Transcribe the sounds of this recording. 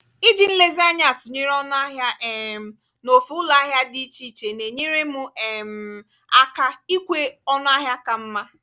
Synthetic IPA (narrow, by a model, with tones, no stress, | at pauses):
i˦d͡ʒi˨n̩˦le˦za˦ɲ˦a˨tʊ˨ɲi˦ɾɔ˦n˦a˦ɦja˦ʔɛ˨m̩˨ | no˨fu˦ʊ˦la˦ɦja˦di˦t͡ʃi˦˨t͡ʃe˨ne˨ɲi˦ɾe˦mʊ˦ɛ˨m̩˨ | a˦ka˦i˦kʷe˦ɔ˦nʊ˦a˦ɦja˦ka˨m̩˦ma˦